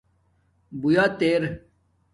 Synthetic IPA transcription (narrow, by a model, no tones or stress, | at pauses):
bujaːt̪eːɾ